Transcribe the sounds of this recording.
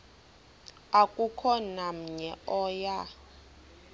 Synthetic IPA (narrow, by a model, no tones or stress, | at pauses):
akʼukʰɔnam̩ɲɛɔja